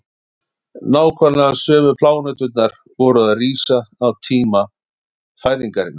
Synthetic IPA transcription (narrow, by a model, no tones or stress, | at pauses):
naːwkʰvaɾlasœːmʏpʰlaːwnœt̪ʏt̪naɾ̥ | vɔɾʏðaðriːsaːwt̪ʰiːma | faːjðiŋkaɾɪna